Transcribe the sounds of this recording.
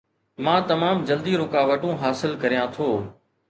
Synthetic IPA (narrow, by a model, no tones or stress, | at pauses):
mãːt̪ɐmaːmd͡ʒəld̪iːɾʊkaːʋəʈũːɦaːsɪlkəɾijãt̪ʰoː